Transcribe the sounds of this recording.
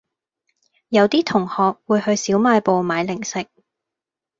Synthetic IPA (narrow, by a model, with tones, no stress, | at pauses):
jɐ˨˧wt̪iː˥t̪ʰʊ˨˩ŋhɔː˨k̚wuː˨˧jhɵ˧ɥsiː˨˥wmaː˧jpo˨wmaː˨˧jlɪ˨˩ŋsɪ˨k̚